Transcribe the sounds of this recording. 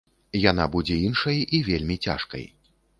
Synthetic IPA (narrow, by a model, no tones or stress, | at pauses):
janabud͡zʲɛinʂɐjivʲelʲmʲit͡sʲa̰ʂkɐ̰j